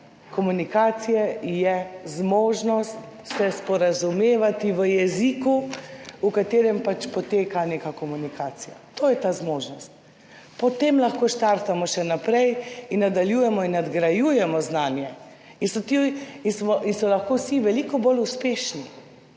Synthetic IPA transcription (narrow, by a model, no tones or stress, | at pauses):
kɔmunikaːsijɛjɛzmoːʒnɔst̪ | sɛspɔɾazumeːʋat̪iʋəjɛzikuukat̪eːɾɛmpat͡ʃpɔt̪eːkanekakɔmunikaːsija̰t̪oːjɛt̪aːzmoːʒnɔst̪̚ | pɔt̪emlaxkoːʃt̪aɾt̪amɔʃɛnapɾɛjinːad̪aljujɛmɔinːad̪ɡɾajuːjɛmɔznaːnjɛ | insɔt̪iinsmɔʔinsɔlaxkowsiʋɛlikɔboluspeːʃni